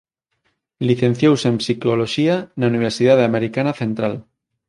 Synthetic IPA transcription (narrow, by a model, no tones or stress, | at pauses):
liθẽ̞n̟θjowse̞msikoloʃianauniβ̞eɾsið̞aðameɾikanaθe̞nt̪ɾal